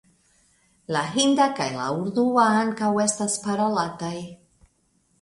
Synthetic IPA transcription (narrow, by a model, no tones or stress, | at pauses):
laɦindakajla̰uɾduaaŋkawe̞staspaɾolataj